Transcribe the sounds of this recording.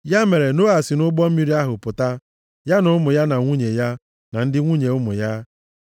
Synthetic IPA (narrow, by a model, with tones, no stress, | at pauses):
ja˦me˨ɾe˨nʊ˦a˨sɪ˨nʊ˦ɡ͡bɔ˦m̩˦mi˦ɾi˦a˦ɦʊ˨pʊ˨ta˦ | ja˦nʊ˦ʊ˦mʊ˨ja˦na˨ŋʷu˦ɲe˨ja˦ | na˨n̩˦dɪ˦ŋʷu˦ɲe˨ʊ˦mʊ̰˨ja˦